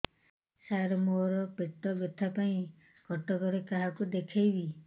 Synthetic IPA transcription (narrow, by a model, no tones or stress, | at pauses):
saɾɔmoɾɔpeʈ̪ɔbɔt̪ʰapaĩ | kɔʈɔkɔɾekaɦakud̪ekʰajbi